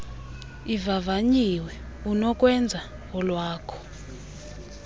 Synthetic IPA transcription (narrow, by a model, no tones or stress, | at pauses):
ivavaɲiwɛ | unɔkʼwɛnd͡zʱa | ɔlwaːkʰɔ̥